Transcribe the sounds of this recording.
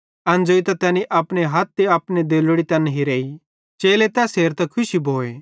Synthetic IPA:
ɐ̃nd͡ʒoːit̪ɐt̪ɛːniʔɐpɽ̃eɦɐt̪̚ːeɐpned̪eːlɽit̪ɐnɦiɾeːi | t͡ʃeːlet̪ɛseːɾt̪ɐkʰʊʃibʱoːeː

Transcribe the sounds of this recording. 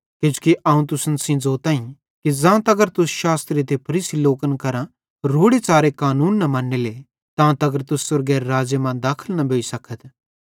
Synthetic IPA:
kɪ̃d͡ʒukiʔɐːũt̪̬ʊsənsĩd͡zoːt̪ãːĩ | kid͡zãːt̪ɐɡəɾt̪ʊsʃaːst̪ɾit̪epʰɐɾiːsiloːkənkɐɾã | ɾoːɽet͡saːɾekaːnuːnːɐmɐ̃ːnːele | t̪ãt̪ɐɡəɾt̪ʊsːʊɾɡeɾːaːd͡ʒemãd̪aːkʰəlnɐbʱoːisɐkʰət̪

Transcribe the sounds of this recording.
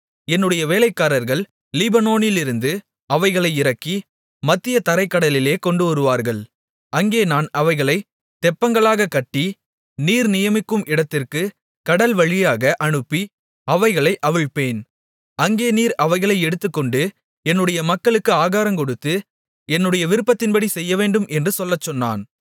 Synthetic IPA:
ɛnːɯɽɐjɐʋeːlɐɪkːaːɾɐɾɣɐɭ | lɪbɐnoːnɪlɪɾɯnd̪ɯ | ɐʋɐɪɣɐɭɐɪɪɾɐkːi | mɐt̪ːɪjɐt̪ɐɾɐɪkːɐɽɐlɪleːkɔɳɖɯɔɾɯʋaːɾɣɐɭ | ɐŋɡeːnaːnɐʋɐɪɣɐɭɐɪ | t̪ɛpːɐŋɡɐɭaːɣɐkːɐʈːi | niːɾnɪjɐmɪkːɯmʔɪɽɐt̪ːɪrkɯ | kɐɽɐlʋɐɻɪjaːɣɐʔɐɳɯpːi | ɐʋɐɪɣɐɭɐɪʔɐʋɪɻpeːn | ɐŋɡeːniːɾɐʋɐɪɣɐɭɐɪɛɽɯt̪ːɯkːɔɳɖɯ | ɛnːɯɽɐjɐmɐkːɐɭɯkːɯaːɣaːɾɐmkɔɽɯt̪ːɯ | ɛnːɯɽɐjɐʋɪɾɯpːɐt̪ːɪnbɐɽisɛjːɐʋeːɳɖɯmʔɛndrɯsɔlːɐt͡ʃːɔnːa̰ːn

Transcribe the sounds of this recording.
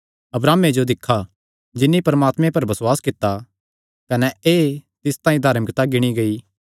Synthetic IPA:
ɐbɾaːmːed͡ʒod̪ɪkʰːa | d͡ʒɪnːipɐɾmaːt̪mẽpɐɾbɐswaːskɪt̪ːa | kɐnɛeːt̪ɪst̪ãːĩd̪ʱaːɾmɪkt̪aɡɪɽ̃iɡɐi

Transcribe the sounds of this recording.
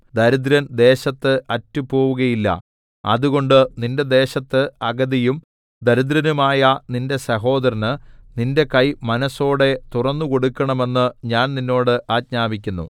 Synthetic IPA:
d̪ɐɾud̪ɾɐnd̪e̞ːɕɐt̪ːɨʔɐtːupo̞ːʋuɣɐjilːɐ̰ | ɐ̰ðuɣo̞ɳɖɨninde̞d̪e̞ːɕɐt̪ːɨɐɡɐðijum | d̪ɐɾud̪ɾɐnumaːjɐninde̞sɐɦo̞ːd̪ɐɾinɨninde̞kɐjmɐnɐso̞ːɽe̞t̪urɐnːuko̞ɽukːɐɳɐme̞nːɨɲaːnninːo̞ːɽɨʔaːt̚ɲaːbikʲːunːṵ

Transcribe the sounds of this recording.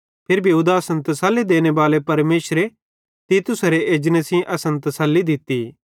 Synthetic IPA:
pʰɪɾbʱiuːd̪aɐsə̃nt̪ɐsɐlːid̪eːñebaːlepɐɾmeːsɾe | t̪it̪ʊsɾeʔeːd͡ʒnəsĩʔɐsə̃nt̪ɐsɐlːid̪ɪt̪ːi

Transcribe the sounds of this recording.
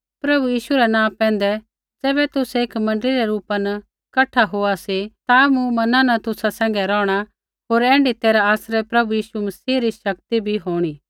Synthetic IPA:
pɾɐbujiːʃuɾɛnãːpɛ̃ːn̆d̪ɛ | d͡zɛːβɛt̪ʊsɛeːkmɐ̃ɳɖəliɾɛɾuːpanɐ | kɐʈʰːaɦoasit̪amũmɐnãnɐt̪ʊsasɛ̃ːŋ̆ɡɛɾɔːɽ̃a | ɦoːɾɛ̃ːɳɖit̪eːɾaaːsɾɛpɾɐbujiːʃumɐsiːɾiʃɐk̚t̪ibʱiɦoːɽ̃iː

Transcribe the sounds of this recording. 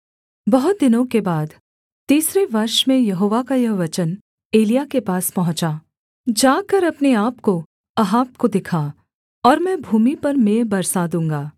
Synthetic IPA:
bɐɦʊt̪̚d̪ɪnõkebaːd̪ | t̪iːsɾeʋɐɾʃmẽjɐɦoːʋakajɐɦʋɐt͡ʃən | eːlijakepaːspɐɦʊ̃t͡ʃaː | d͡ʒaːkɐɾɐpneaːpko | ɐɦaːpkod̪ɪkʰa | ɔːɾmɛ̃bʱuːmipɐɾmeːbɐɾsad̪ũːŋɡaː

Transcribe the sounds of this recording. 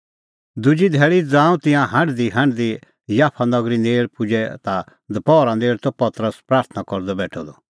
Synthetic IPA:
d̪ʊd͡ʒid̪ʱɛːɭid͡zãːũt̪ɪ̃jãɦãɳɖd̪iɦãɳɖd̪i | jaːpʰanɔɡɾineːɭpʊd͡ʒɛt̪a | d̪ɐpɔːɾãneːɭt̪ɔpɐt̪ɾəspɾaːɾt̪ʰnakɔɾd̪ɔbɛːʈʰɔd̪ɔ

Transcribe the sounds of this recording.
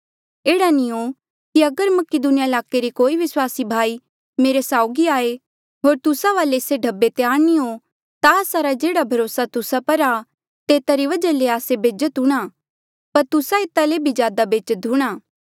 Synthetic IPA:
eːɽaniɦo | kiɐɡəɾmɐkɪd̪ʊnɪjaɪlaːkeɾikoːiʋɪswaːsibʱaːi | meːɾesaːʊɡiaːe | ɦoːɾt̪ʊsaʋaːleɪseɖʱɐbːet̪eaːɾniɦo | t̪aəːsaɾad͡ʒeːɽabʱɐɾoːsat̪ʊsapɐɾa | t̪eːt̪aɾiʋɐd͡ʒaleaːsebeːd͡ʒət̪ɦʊɽ̃a | pɐɾt̪ʊsaeːt̪alebʱizjaːd̪abeːd͡ʒət̪ɦʊɽ̃aː

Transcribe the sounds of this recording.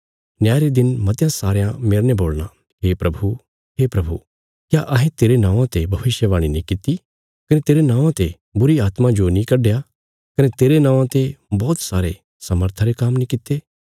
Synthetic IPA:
njaːjɾed̪ɪnmɐt̪jãsaːɾjãmeːɾneboːlɽa | ɦeːpɾɐbʱu | ɦeːpɾɐbʱṵ | kjaʔɐɦẽt̪eːɾenãːʋãt̪ebʱɐʋɪʃjəʋaːɽ̃inĩkɪt̪ːi | kɐnet̪eːɾenãːʋãt̪e | bʊɾiaːt̪mãd͡ʒonĩkɐɖeja | kɐnet̪eːɾenãːʋãt̪ebɔːt̪saːɾe | sɐməɾt̪ʰaɾekaːmnĩkɪt̪eː

